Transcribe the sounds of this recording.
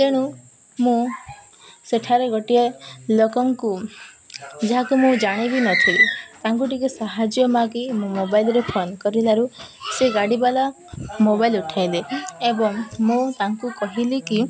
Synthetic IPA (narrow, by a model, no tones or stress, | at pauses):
t̪eɽ̃u | mũ | seʈʰaɾeɡʱɔʈielɔkɔŋku | d͡ʒaɦakumũd͡ʒaɽ̃ibinɔt̪ʰilit̪aŋkuʈikesaɦad͡ʒjɔmaɡimũmobailɾepʰonkɔɾilaɾuseɡaɽibala | mobailuʈʰajleebɔŋmũt̪aŋkukɔɦiliki